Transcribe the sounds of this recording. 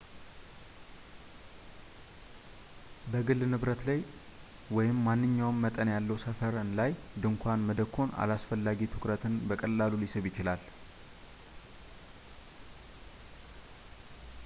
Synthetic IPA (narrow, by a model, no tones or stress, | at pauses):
bəɡɨlːnɨβɾət̪laj | wɔjɪmːanːɨɲːawnːət̪ʼənjalːəwsəfəɾnlajd̪ɨŋkʷʰanməd̪əkʰːo̞na̰lasfəlːaɡit̪ʰɨkɾət̪ʰɨnbəkʼəlːalulisɨβjɪt͡ʃɪlal